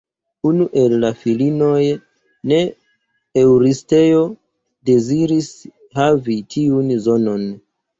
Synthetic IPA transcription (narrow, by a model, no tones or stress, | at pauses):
unuʔe̞lːafilino̞j | ne̞ | ewɾiste̞jo̞ | de̞ziɾis | havitʰiunzo̞no̞n